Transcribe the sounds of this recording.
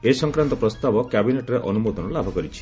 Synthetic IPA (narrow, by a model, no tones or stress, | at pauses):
esɔŋkɾant̪ɔpɾɔst̪abɔkjabineʈɾeʔɔnumod̪ʱɔnɔlabʱɔkɔɾit͡ʃʰi̥